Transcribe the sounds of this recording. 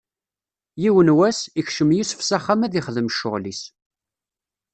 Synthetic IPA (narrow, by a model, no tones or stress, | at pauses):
jiwənwæsiçʃəmjisəfsæχːamæðiχəðəmʃʊʁlis